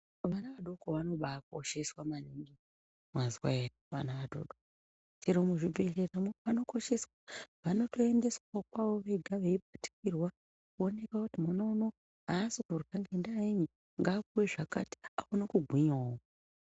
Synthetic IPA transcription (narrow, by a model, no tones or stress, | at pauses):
ʋanaʋaɗo̞koʋano̞ɓaːko̞ʃe̞swamaniŋɡi | mwazwaeriʋanaʋaɗo̰ɗok | t͡ʃiɾomuʐibʱe̞ɮeramuʋano̞ko̞ʃe̞swaʋano̞to̞ende̞swakwaʋo̞ʋe̞ɡʱaʋeib̚ʱati̥kirwa | kuone̞kakutimanono | ɦasikurukaŋɡendaːiɲi | ŋɡaːkuwe̞ʐakati̥aunokuɡʱwiɲao